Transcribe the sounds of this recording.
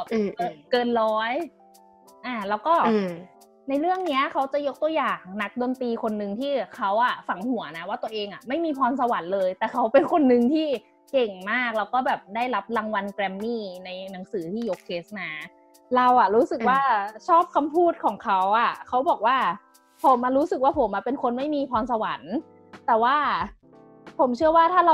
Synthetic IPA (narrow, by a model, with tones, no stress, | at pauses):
kɤː˧nlɔː˦˥j | ʔaː˨˩lɛː˦˥wkɔː˥˩ | na˧jɾɯ˥˩əŋni˦˥ɐkʰa˦˥wt͡ɕa˨˩jo˦˥k̚t̪u˧əjaː˨˩ŋna˦˥k̚do˧nt̪iː˧kʰo˧nːɯ˧ŋt̪ʰiː˥˩kʰa˦˥wʔa˨˩fa˩˦ŋhu˨˩˦ɐna˦˥waː˥˩t̪u˧ɐʔeː˧ŋʔa˨˩ma˥˩jmiː˧pʰɔː˧ns̬a˧wa˩˦nlɤː˧jt̪ɛː˨˩kʰa˦˥wpe˧nkʰo˧nːɯ˧ŋt̪ʰiː˥˩ | ke˨˩ŋmaː˥˩k̚lɛː˦˥wkɔː˥˩bɛː˨˩p̚daː˥˩jɾa˦˥p̚la˧ŋwa˧nkɾɛ˧mːiː˥˩na˧jna˩˦ŋsɯː˩˦t̪ʰiː˥˩joː˧kʰeː˦˥sna˦˥ | ɾa˧wʔa˨˩ɾuː˦˥sɯ˨˩k̚waː˥˩t͡ɕʰɔː˥˩p̚kʰa˧mpʰuː˥˩t̪̚kʰɔː˩˦ŋkʰa˦˥wʔa˨˩kʰa˦˥wbɔː˨˩k̚waː˥˩ | pʰo˩˦mʔa˧ɾuː˦˥sɯ˨˩k̚waː˥˩pʰo˩˦mʔa˨˩pe˧nkʰo˧nma˥˩jmiː˧pʰɔː˧nsa˧wa˨˩˦n | t̪ɛː˨˩waː˥˩ | pʰo˨˩˦mt͡ɕʰɯ˥˩ɐwaː˥˩t̪ʰaː˥˩ɾa˧